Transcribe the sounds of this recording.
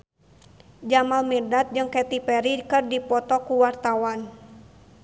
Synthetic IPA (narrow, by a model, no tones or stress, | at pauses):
d͡ʒamalmidat̪̚d͡ʒɨŋkɛt̪ipɛɾikɨrdipɔt̪ɔkuwart̪awan